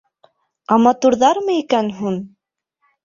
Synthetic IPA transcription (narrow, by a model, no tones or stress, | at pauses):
ɑmɑt̪uɾðɑɾmɤikænɦun